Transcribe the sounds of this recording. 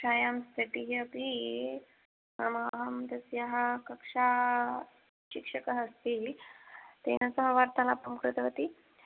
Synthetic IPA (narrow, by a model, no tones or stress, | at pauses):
ɕajamst̪ʰəʈiɦəpi | namaɦɐmd̪əsjaɦakəkʂa | ɕikʂəkaɦəst̪iːl | t̪ḛnasəɦəʋaɾt̪alapəmkɾut̪əʋət̪i